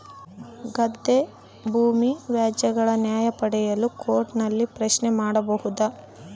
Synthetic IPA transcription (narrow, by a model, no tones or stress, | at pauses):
ɡɐd̪ːe | bʱuːmiʋjaːd͡ʒjɐɡɐɭɐnjaːjɐpɐɽɛjɐlukʰoːɾʈnɐlːipɾɐʃnemaːɽɐbɐhud̪ɐ